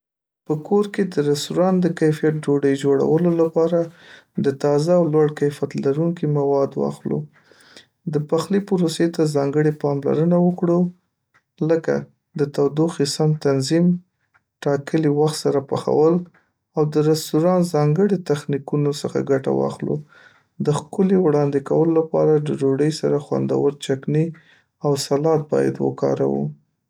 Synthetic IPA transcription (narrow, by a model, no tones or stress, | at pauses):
pəkoɾked̪əɾast̪uɾɑnd̪əkajfijat̪̚d͡ʒoɽəjd͡ʒoɽa̰wəlolapɑɾa | d̪ət̪ɑzaːwlwaɽkajfjat̪laɾuŋkimawɑd̪wɑ̰xlo̰ | d̪əpaxlipʊɾoset̪azɑŋɡəɽepɑmla̰ɾənawəkɽo | ləka̰ | d̪ət̪awd̪oxisamt̪anzim | ʈɑkəliwaxt̪saɾapaxa̰wəl | awd̪əɾast̪uɾɑnzɑŋɡəɽit̪axnikunosəxa̰ɡaʈa̰wɑ̰xlo̰ | d̪əxkʊlewɽɑnd̪ɪkawəlolapɑ̰ɾad̪əd͡ʒoɖəjsaɾaxwa̰nd̪a̰wəɾt͡ʃakni | awsalɑt̪̚bɑ̰ja̰d̪wə̰kɑ̰ɾa̰wṵ